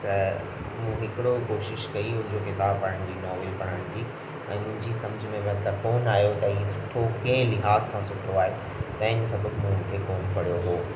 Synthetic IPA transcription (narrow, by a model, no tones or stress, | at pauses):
t̪ɐ | mũɦɪkɪɽokoːʃɪʃkɐiɦʊd͡ʑokɪt̪aːpɐɽəɽ̃d͡ʑiːnɔːʋlipɐɽ̤əɽ̃d͡ʑiː | ɛ̰̃ːmʊ̃ɦɪ̃ɲd͡ʑisɐməd͡ʑʱmẽʋt̪ɐkoːnaːɦijot̪ɐɦiːesʊʈʰokɐ̃ɦɪ̃lɪɦaːzsãsʊʈʰoaːɦe | t̪ɐ̃ɦɪ̃ɲd͡ʑesɐbʱəbmũɦʊnkʰekoːnpɐɽijoɦoː